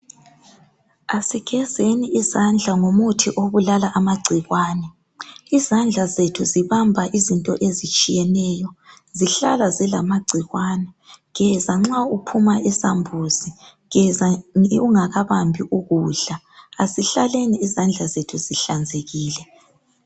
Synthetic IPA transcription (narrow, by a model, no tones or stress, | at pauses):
asiɣɛzeniʔizand͡ɮʱaŋomutʰiʔoβulalaʔamaɡ͡ǀʱiɣwaːnɛ | izand͡ɮʱazetʰuziβambʱaʔizintʼɔʔezit͡ʃʼijɛnɛːjɔ | ziɬa̰lazilamaɡ͡ǀʱiɣwaːnɛ | ɣɛzaŋ͡ǁaupʰumaʔɛsambʱuzi | ɣɛzauŋaɣaβambʱiʔuɣuːɮa | aziɬaleniːzand͡ɮʱazetʰuziɬand͡zʱeɣiːlɛ